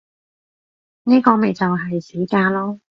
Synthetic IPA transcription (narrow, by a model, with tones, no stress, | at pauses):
niː˥kɔː˧me˨jt͡sɐ˨wɦɐ˨jse˨˥kaː˧lɔː˥